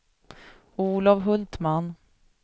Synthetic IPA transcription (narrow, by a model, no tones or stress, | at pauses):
uːlavɦɵlt̪man